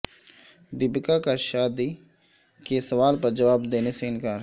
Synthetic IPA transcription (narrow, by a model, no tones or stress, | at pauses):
d̪ɪbkakaʃaːd̪i | kesəʋaːlpəɾd͡ʒəʋaːbd̪eːneseɪnkaːɾ